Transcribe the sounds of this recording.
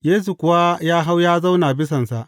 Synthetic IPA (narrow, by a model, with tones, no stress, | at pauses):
jeː˦s̬u˨kʷʊ˨wa˦jaː˦ɦa˦wjaː˦za˦wnaː˨bɪ˦s̬ɐ˨nsa˨ʔ